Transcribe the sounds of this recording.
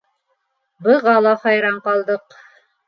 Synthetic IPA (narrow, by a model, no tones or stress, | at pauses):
bɤ̆ʁɑlˠɑhɑjɾɑɴqɑlˠd̪ɤq